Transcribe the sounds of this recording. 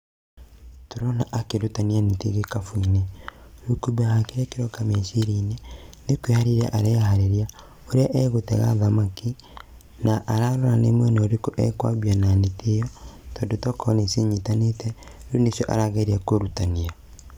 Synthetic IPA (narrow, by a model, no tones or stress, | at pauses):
toɾɔnaʔakeɾutanianetḛɣekafuineɾukuβahakeɾɛkeɾɔkameʃiɾinenekwehaɾeɾa̰ʔaɾeahaɾeɾia | oɾeaʔɛɣotɛ̰ɣa̰ðamaki | naʔaɾaɾɔɾanemwɛnɔoɾekoʔɛ̰kwa̰βiananetʰejɔtɔdotɔkʰɔneseɲitanetɛ | ɾunesjɔʔa̰ɾaɣeɾiakoɾutania